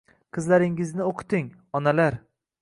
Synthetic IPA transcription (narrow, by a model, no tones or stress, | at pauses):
qʰɨzlaɾɪŋɪznɪoqʰɨ̥t̪ɪŋ | ɒnalaɾ